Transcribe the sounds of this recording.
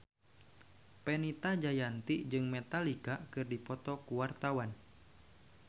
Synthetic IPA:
pɛnit̪ad͡ʒajant̪iʔd͡ʒɨŋmɛt̪alikakɨrdipɔt̪ɔkuwart̪awan

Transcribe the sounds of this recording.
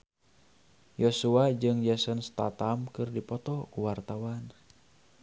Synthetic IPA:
josuad͡ʒɨŋjasənst̪a̰t̪amkɨrdipɔt̪ɔkuwart̪awan

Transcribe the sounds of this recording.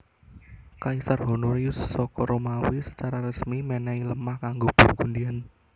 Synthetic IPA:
kaisarɦɔnoɾiusːɔkɔɾomawisə̥t͡ʃaɾaɾəsmimɛnɛiləmahkaŋɡob̥ṳrɡ̥undian

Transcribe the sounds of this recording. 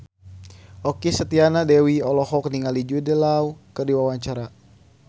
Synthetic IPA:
ɔkisət̪ianadɛwiɔlɔhɔkniŋalid͡ʒudɛlaukərdiwawaɲt͡ʃaɾa

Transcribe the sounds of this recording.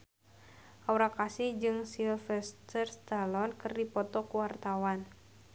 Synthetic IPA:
ʔauɾakasihd͡ʒɨŋsilfɛst̪ərst̪alɔnkɨrdipɔt̪ɔkuwart̪awan

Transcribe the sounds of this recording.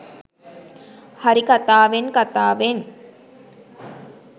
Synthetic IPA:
haɾikat̪aːʋeŋkat̪aːʋeŋ

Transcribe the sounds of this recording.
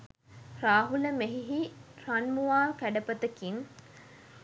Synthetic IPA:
raːɦuləmeɦiɦiranmuʋaːkæɖəpət̪əkin

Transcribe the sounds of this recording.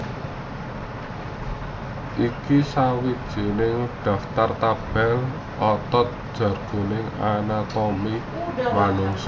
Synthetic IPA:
ʔikisawid̥ʒ̥i̤nɪŋɖ̥ä̤ft̪art̪ab̥ɛl | ɔt̪ɔt̪̚d̥ʒ̥ä̤rɡ̥o̤nɪŋanat̪ɔmi | wanʊŋs

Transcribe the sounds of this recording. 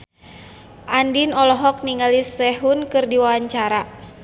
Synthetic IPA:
ʔandinɔlɔɦɔk̚niŋalisɛɦunkɨrdiwawaɲt͡ʃaɾa

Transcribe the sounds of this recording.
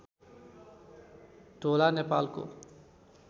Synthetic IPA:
ʈolanepalko̰

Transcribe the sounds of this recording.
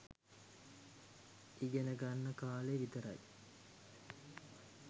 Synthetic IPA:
iɡenəɡanːəkaːleʋit̪əɾa̰j

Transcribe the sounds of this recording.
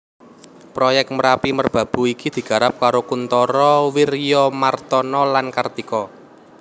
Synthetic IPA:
pɾɔjɛk̚t̪̚məɾapimərb̥ä̤b̥ṳikid̪̥i̤ɡ̥a̤ɾap̚kaɾokunt̪ɔɾɔwirjɔmart̪ɔnɔlankard̪̥ikɔ

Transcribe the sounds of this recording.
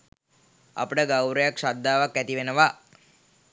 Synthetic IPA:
a̰pəʈəɡawɾəjakʃad̪ːaːʋakːæt̪iʋenəʋa

